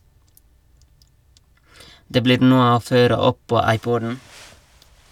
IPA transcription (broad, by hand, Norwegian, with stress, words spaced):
ˈdeː ˈbliːɾ ˈnuːə ˈoː ˈføːɾə ˈɔp ˈpoː ˈɑɪˌpɔdn̩